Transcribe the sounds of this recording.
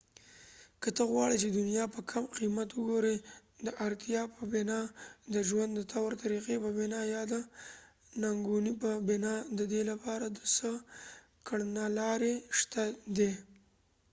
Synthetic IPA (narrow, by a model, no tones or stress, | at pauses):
kət̪əɣwɑɽit͡ʃed̪ʊnijɑpəkʰamqimat̪wʊɡoɾed̪əʔaɾt̪jɑpəbenɑd̪əʒwand̪ːət̪ʰawaɾt̪aɾiqepəbɪnɑjɑd̪ə | naŋɡunipəbɪnɑd̪əd̪elapɑɾad̪əsə | kʰəɽnalɑɾeʂt̪ad̪e